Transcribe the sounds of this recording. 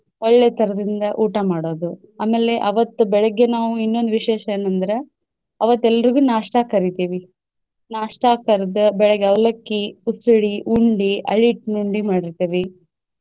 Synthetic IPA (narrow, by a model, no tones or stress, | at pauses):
ɔɭːet̪ʰɐɾɐd̪ind̪ɐʔuːʈɐmaːɽo̞ːd̪u | aːmeːlːe̞ʔɐʋɐt̪ːubɛɭɛɡːe̞naːʋuinːo̞nd̪uʋiʃɛːʃɐeːnɐnd̪ɐɾe̞ | ɐʋɐt̪ːɛlːɐɾiɡuːnaːʂʈakɐɾit̪iːʋi | naːʂʈakɐɾd̪ɐbɛɭɛɡeɐʋlɐkːiusuɽiʔuɳɖiʔɐ̰ɭiːʈnuɳɖimaːɽiɾt̪iːʋi